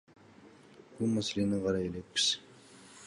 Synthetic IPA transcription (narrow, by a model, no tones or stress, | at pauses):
bumæselenɪqʰɑɾɑjele̞k̪̚pɪ̥z̥